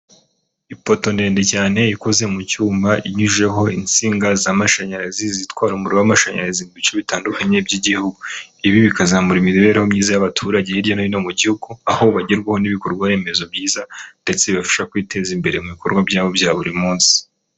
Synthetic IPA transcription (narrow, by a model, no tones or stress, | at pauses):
ipo̞to̞nde̞ːnde̞caːne̞iko̞ze̞mucuːmbaʔiɲiʒe̞ɦo̞int͡siːŋɡazamaʃaɲaɾazizitkwaːɾumuɾowamaʃaɲa̰ɾazimuβit͡ʃoβitaːndukaɲe̞bɟiɟihuɡuiβiβikazaːmuɾimiɾiβe̞ːɾeho̞mɲiːzajaβatʰuːɾaɟejiɾɟanoino̞muɟihuɡuaho̞βaɟeɾɡweho̞niβiko̞ɾɡwaɾe̞ːme̞zo̞bɟiːzande̞t͡seβiβafḁʃakwiːte̞ːzimbe̞ɾemuβiko̞ɾɡwabɟaːβo̞bjaːβuɾimuːnsi̥